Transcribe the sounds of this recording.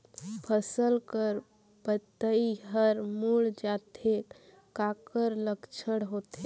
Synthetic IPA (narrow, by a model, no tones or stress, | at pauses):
pʰəsəlkəɾ | pət̪ːəiɦəɾmuɭd͡ʒat̪ʰek | kakəɾləkt͡ʃʰəɽɦot̪e